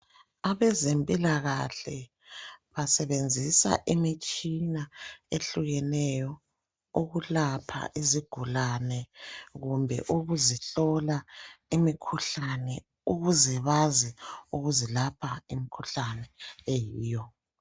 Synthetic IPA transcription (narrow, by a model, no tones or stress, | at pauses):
aβɛzempʼilaɣaɬɛ | βasɛβend͡zʱisa̰ʔimit͡ʃʼinaeɬuɣɛnɛjɔ | uɣulapʰa̰ʔiziɡ̥ʱulanɛɣumbʱɛ̰ʔuɣuziɬɔlaimikʰuɬanɛ | uɣuzɛβaziuɣuzilapʰaimikʰuɬanɛejiːjɔ